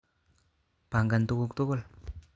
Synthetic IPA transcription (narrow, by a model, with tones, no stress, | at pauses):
pa˨ŋɡant̪u˦kuk̚t̪u˦kʊ˦l